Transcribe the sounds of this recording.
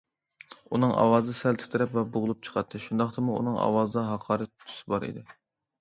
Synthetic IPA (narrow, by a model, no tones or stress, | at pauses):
unɨŋʔɑ̰wɑːzd̪ɨsɛlt̪ʰɪ̥t̪ʰɨɾɛpvɛbʊʁʊlˠup̚t͡ʃʰə̥qʰɑt̪ʰːɨʃund̪ɑχt̪ʰɨmuṵnɨŋɑ̰wɑːzɨd̪ɑɦɑqʰɑːɾɨt̪ʰːy̥sɪbɑɾḭd̪ɪ